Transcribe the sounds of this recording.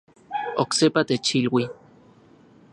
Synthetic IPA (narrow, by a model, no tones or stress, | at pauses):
oksepat̪et͡ʃilwi